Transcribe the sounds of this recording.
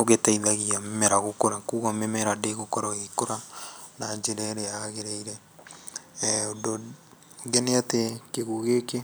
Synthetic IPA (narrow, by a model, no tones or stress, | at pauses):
oɣetaiðaɣiamemɛɾaɣokoɾakuɣamemɛɾadeɣokoɾaɣikoɾanad͡ʒeɾɛɾeaɣeɾeiɾɛ | odo | ŋɡeneatekeɣuɣeke